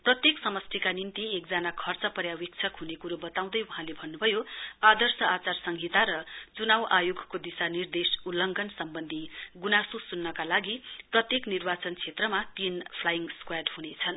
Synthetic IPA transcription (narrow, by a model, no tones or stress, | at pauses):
prʌt̪jeksʌmʌst̪ʰikanint̪iek̚d͡zanakʰʌrt͡sʌpʌɾjawik̚t͡sʰʌkɦunekuɾobʌt̪aw̃d̪ʌjuɦãlebʱʌnːubʱʌjoad̪ʌrsʌat͡sarsʌŋɡʱit̪aɾʌt͡sunawʔajoɡʱkod̪isanird̪esulʌŋɡʱʌnsʌmbʌnd̪ʱiɡunasusunːʌkalaɡiprʌt̪jeknirbat͡sʌnt͡sʰet̪rʌmat̪inpʰlajiŋɡskwaɖɦunet͡sʰʌn